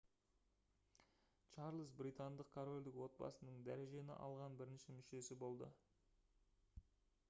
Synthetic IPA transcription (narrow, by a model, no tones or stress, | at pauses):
t͡ʃɑɾlˠəsbɾit̪and̪əq̚kʰoɾo̞lʲd̪ɪkwo̞t̪̚bɑ̰sənəɴd̪æɾe̞ʒe̞nɪ̰ʔɑ̰lˠʁɑnbɪɾɪnʃɪmʏʃe̞sɪbo̞lˠd̪ə̰